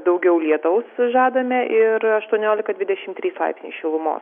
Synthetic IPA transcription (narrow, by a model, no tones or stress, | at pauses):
d̪ɐʊɡʲɛʊlʲiɛt̪ɐʊsʒɑːd̪ɐmʲɛʔɪɾɐʃt̪uɔnʲoːlʲɪkɐd̪ʲʋʲɪdʲɛʃʲɪmt̪ʲɾʲiːslˠɐ̰ɪpʲsʲnʲiːsʃʲɪlˠʊmo̰ːs